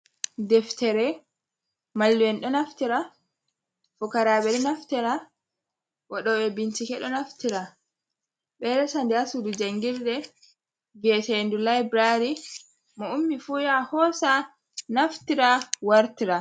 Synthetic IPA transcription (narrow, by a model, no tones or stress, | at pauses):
dɛftɛɾɛ | malːwɛnɗɔnaftiɾa | fukaɾaɓɛɾinaftiɾa | waɗɔɓɛbintikɛɗɔnaftiɾa | ɓɛɾɛsandiasudud͡ʒaŋɡiɾdɛ | viɛtɛndulajbɾaɾi | mɔumːifujahɔsa | naftiɾawaɾtiɾa